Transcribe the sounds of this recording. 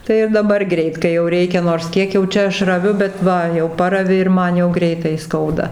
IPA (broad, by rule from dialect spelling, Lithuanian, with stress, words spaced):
ˈtɐɪ ɪr dɐˈbɐr ˈɡrʲɛɪt kɐɪ jɛʊ ˈrʲɛɪkʲɛ noːrs ˈkʲiɛk jɛʊ ˈt͡ʃʲɛ ˈɐʃ rɐˈʋʲʊ bʲɛt ˈʋɐ jɛʊ ˈpɑːrɐʋʲɪ ɪr ˈmɐn jɛʊ ˈɡrʲɛɪtɐɪ ˈskɐʊdɐ